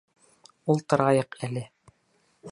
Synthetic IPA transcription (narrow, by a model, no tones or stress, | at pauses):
ulˠt̪ɤ̆ɾɑjɤqælɘ